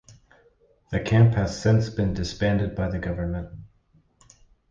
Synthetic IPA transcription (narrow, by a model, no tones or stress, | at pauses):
ðɨkʰæ̃mphɨz̥sɪ̃nsb̥ɨ̃ndɨspæ̃ndɨd̚baɪðɨɡʌvə̃˞nmə̃nt̚